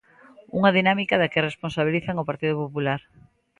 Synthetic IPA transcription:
uŋɐðinamikaðakɪresponsaβiliθaŋopaɾt̪iðopopulaɾ

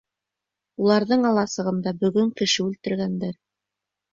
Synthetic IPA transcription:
ulˠɑɾðɤɴɑlˠɑsɤ̆ʁɤ̆nd̪ɑbɵ̆ɡɵŋkɘ̆ʃɘʉlt̪ɘ̆ɾɡænd̪æɾ

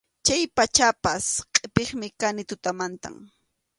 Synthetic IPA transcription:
t͡ʃajpat͡ʃapasqʼepeχmɪkanɪt̪ʊt̪amant̪a̰m

